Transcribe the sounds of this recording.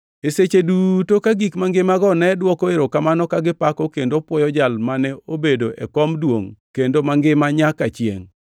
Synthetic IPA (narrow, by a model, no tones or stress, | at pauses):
eset͡ʃedutokaɡikmaŋɡɪmaɡɔnɛdwɔkoeɾokamanɔkaɡɪpakɔkendopwɔjɔd͡ʒalmanɛobedoʔɛ̰kɔmdwoŋkendomaŋɡɪmaɲakat͡ʃjḛŋ